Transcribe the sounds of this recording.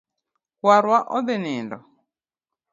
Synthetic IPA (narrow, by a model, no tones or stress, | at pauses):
waɾwaʔɔðɛnɛːndɔ̰